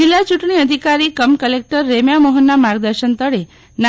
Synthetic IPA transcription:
ilːat͡ʃuʈɳ̃iəd̪ʱikaɾikəmkəlek̚ʈəɾːemjamɔɦənːamaɾɡ̚d̪əɾʃənt̪əɽe | n

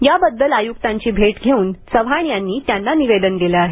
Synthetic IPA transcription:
jabəd̪ːəlajuk̚t̪aɲt͡ɕiːbʱeʈɡʱeuːnsəʋɦaɳjanːiːt̪janːaniʋed̪ənɡeleaɦe

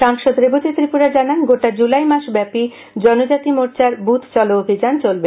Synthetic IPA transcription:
ʃaŋʃod̪ɾebod͡ʑet̪ɾipuɾad͡ʑananɡoʈad͡ʑulajmaʃbɛpi | d͡ʑɔnod͡ʑat̪imoɾt͡ɕaɾbut̪ʰt͡ɕɔloobʱid͡ʑant͡ɕolbe

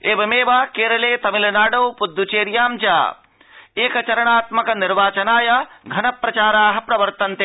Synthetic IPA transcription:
eːbɐmeːʋaːkeːɾɐleːt̪ɐmilɐnaːɖɐwpud̪ʱːjut͡ʃeːɾjaːmd͡ʒa̰ː | eːkɐt͡ʃɐɾɐɳaːt̪mɐkɐniɾʋaːt͡ʃɐnaːjɐɡʱɐnɐpɾɐt͡ʃaːɾaːɦɐ̆pɾɐʋɐɾt̪ɐnt̪e

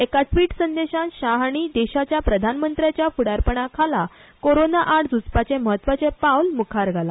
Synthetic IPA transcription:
ekaʈʰʋiːʈsənd̪eɕãnɕaɦaɽ̃id̪eɕat͡ɕjapɾəd̪ʱanmənt̪ɾjat͡ɕjafuɽaɾpəɳakʰala | koɾonaʔaɽd͡zut͡spat͡sẽməɦət̪ːʋat͡sepawlmukʰaɾɡʱala

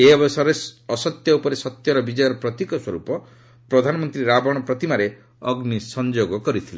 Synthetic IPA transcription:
eɔbɔsɔɾesɔsɔt̪jɔupɔɾesɔt̪jɔɾɔbid͡ʒɔjɔɾɔpɾɔt̪ikɔswɔɾupɔ | pɾɔd̪ʱanɔmɔnt̪ɾiɾabɔɽ̃ɔpɾɔt̪imaɾe | ɔɡnisɔnd͡ʒoɡɔkɔɾit̪ʰile

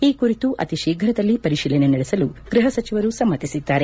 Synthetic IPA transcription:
iːkuɾit̪uʔɐ̰t̪iʃiːɡʱɾɐd̪ɐlːipɐɾiʃiːlɛnenɐɽesɐluɡ̥ɾɪɦɐsɐt͡ʃiʋɐɾusɐmːɐt̪isid̪ːaːɾe̞

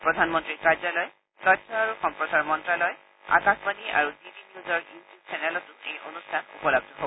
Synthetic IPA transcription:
pɹɔdʱanmɔntɹikaɹzɔlɔj | tɔtʰːɔaɹuxɔmpɹɔsaɹmɔntɹalɔj | a̰kaspaniʔa̰ɹudibinijuzɔɹitusɛnɛlɔtʊḛjʔo̰nustʰanṵpɔlɔb̚dʱɔɦobɔ

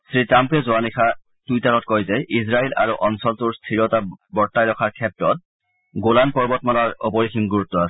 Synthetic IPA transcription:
sɹitampɛzoanikʰa | tujtaɹɔtkɔjzɛʔizɹailʔa̰ɹuʔɔnsɔltuɹstʰiɹɔtabɔɹtːajɹɔkʰaɹkʰɛp̚tɹɔt̚ | ɡolanpɔɹbɔtmalaɹɔ̰pɔɹixʰimɡuɹutːɔasɛ

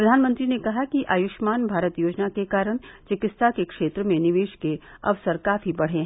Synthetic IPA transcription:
pɾɐd̪ʱaːnmə̃nt̪ɾinekɐɦakiʔaːjʊʃmaːnbʱaːɾət̪joːd͡ʒnakekaːɾəɽ̃t͡ʃɪkɪt̪st̪ʰakekʃeːt̪ɾəmẽnɪʋeːʃkeɐ̰ʋsəɾkaːfʰibɐɽ̤ɦeɦɛ̃ː

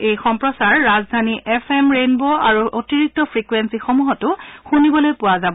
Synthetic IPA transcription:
ejxɔmpɹɔsaɹːazdʱaniʔɛfʰemɹenboaɹuʔotiɹik̚tɔpʰɹikwensixomuɦɔtʊxunibɔlojpʊwazabɔ

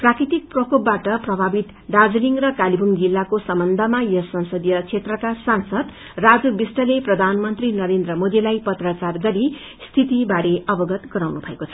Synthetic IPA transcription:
prakɾit̪ik̚prʌkʰopbaʈʌprʌbʱabit̪ | ɖad͡zliŋrʌkalibʱuŋd͡zilːakosʌmbʌnd̪ʱʌmajʌsʌ̃nsʌd̪ijʌt͡sʰet̪rʌkasansʌd̪ | rad͡zubisʈʌleprʌd̪ʱanmʌnt̪rinʌɾend̪rʌmod̪ilajpʌt̪rat͡sarɡʌɾi | st̪ʰit̪ibaɾeʌbʌɡʌt̪ɡʌɾawnubʱʌekot͡sʰʌ

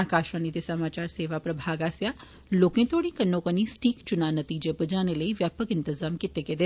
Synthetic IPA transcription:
aːkaːʃʋaːnid̪esɐmaːt͡ʃaːɾseːʋapɾɐbʱaːɡaːsjaː | loːkẽːt̪ʰoːɽ̃ĩkənːõkənisʈiːkt͡ʃʊnaːnət̪iːd͡ʒepəd͡ʒaːneləiʋjaːpəkɪ̃nt̪ɪzaːmkɪt̪eked̪e

